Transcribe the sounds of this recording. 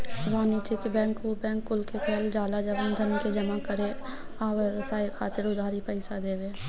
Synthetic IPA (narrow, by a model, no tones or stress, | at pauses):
ɾaːnit͡ʃikibɛ̃ːŋkobɛ̃ːŋkːʊlkekɔːld͡ʒaːlad͡ʒəbəmd̪ʱənked͡ʒəmakəɾe | aːweɾəsaːikʰaːt̪ɪɾʊd̪ʱaːɾipəɪsad̪eːweː